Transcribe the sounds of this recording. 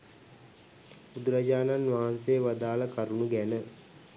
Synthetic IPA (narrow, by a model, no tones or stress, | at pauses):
bud̪uɾad͡ʑaːnanʋaɦansejəʋad̪aːləkaɾunuɡænə